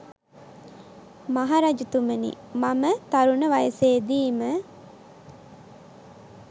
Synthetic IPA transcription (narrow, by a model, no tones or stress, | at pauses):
mɐɦaɾɐd͡ʒut̪umenḭmɐmət̪ɐɾunɐʋɐjɐseːd̪iːmə